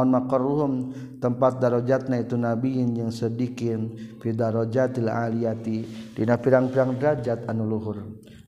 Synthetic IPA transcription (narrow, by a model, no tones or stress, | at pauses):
ɔnmakɔruɦum | t̪əmpat̪̚daɾod͡ʒat̪̚nait̪unabiɪnd͡ʒaŋsədikɪnpidaɾod͡ʒat̪ilaʔaliat̪idinapiɾaŋpiɾaŋdɾad͡ʒat̪anuluɦʊr